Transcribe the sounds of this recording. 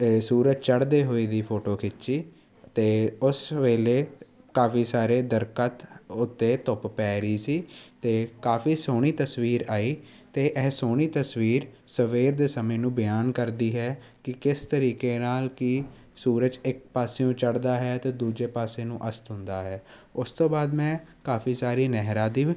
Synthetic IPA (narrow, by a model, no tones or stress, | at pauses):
suːɾəd͡ʒt͡ʃəɽd̪eːɦoːiːd̪iːpʰoːʈoːkʰɪt͡ʃːt͡ʃiː | t̪eːʊsʋeːleː | kaːfiːsaːɾeːd̪əɾkət̪ʊt̪ːeːt̪ʊppɛːɾiːsiːt̪eːkaːfiːsoːɽ̃iːt̪əsʋiːɾaːiː | t̪eːʔɛːsoːɽ̃iːt̪əsʋiːɾsəʋeːɾd̪eːsəmẽːnũːbəjaːnkəɾd̪iːɦɛː | kɪkɪst̪əɾiːkeːnaːlkɪ | suːɾəd͡ʒɪk̚paːseːõːt͡ʃəɽd̪aːɦɛːt̪eːd̪uːd͡ʒeːpaːsẽːnũːʔəst̪ɦʊ̃nd̪aːɦɛː | ʊst̪õːbaːd̪mɛ̃ːkaːfiːsaːɾiːnɛɦɾaːd̪iː